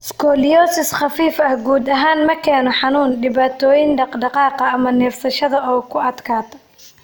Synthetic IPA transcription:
skʰɔljɔːsɪsχɑfiːfɐhɡuːd̪ɐɦaːnmɐkʰɛːnɔħɑnuːnɖɪβaːt̪ʰɔːjɪnɖɑqɖɑqɑːqɐːmɐnɛːfsɐʃɐðɐɔːkʰʊɐd̪kʰaːt̪ʰɐ̥

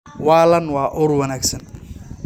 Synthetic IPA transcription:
waːlɐnwɑːʔʊrwɐnaɡsɐn

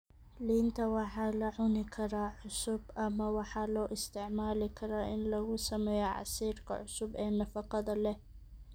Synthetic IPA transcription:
lɪɪnt̪ʰawɑħalaʕʊnɪkʰɐɾaʕʊsʊbʔamːawɑħalawʔɪst̪ɪʕmaːlɪkʰɐɾaʔɪ̰nlɐɣusɐmɛjaʕa̰siːɾkʰa̰ʕʊsʊbʔɛːnɑfɑqɑd̪ɐlɛ

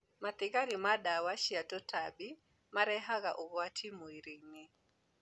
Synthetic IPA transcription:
mat̪ɪɡaɾimadawaʃjatɔtʰabi | maɾɛɦaɡaʔɔɡwatʰimoiɾeŋne

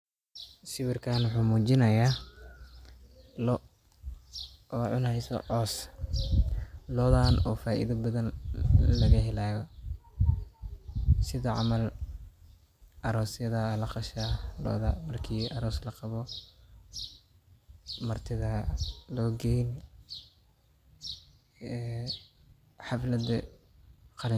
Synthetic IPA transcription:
ʃɪβɪrkʰaːnwʊħuːmuːt͡ʃɪnɐjaː | lɔ | ʕʊnhɛjsɔ̰ʕɔːs | lɔːðaːnɔːfaːʔḭðɐbɐðɐnlɐɣɐɦɛlaːjɔ | sɪðɐʕɑmɐl | ʔɐɾɔːsjɐðɐlɐqɑʃalɔ̰ːðɐmɐrkʰiːʔɐɾɔːslɐqɑβɔ | mɐrt̪ʰɪðɐlɔːɡɛjn | ɛː | ħɑflɐd̪ɐ | qɑlɪ

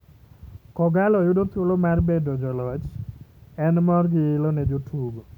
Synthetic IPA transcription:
kɔɡalɔjʊdot̪olomarbedɔd͡ʒɔlɔd͡ʒ | ɛnmɔrɡiɪlɔned͡ʒotʰuɡɔ

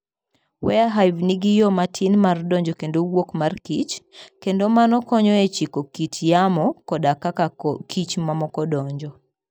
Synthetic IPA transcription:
wɛaɦajvniɡijɔmatʰinmardɔɲd͡ʒɔkendowokmarkit͡ʃkendomanɔkɔɲɔet͡ʃikokitjamɔkɔdakakakʰit͡ʃmamɔkɔdɔɲd͡ʒɔ

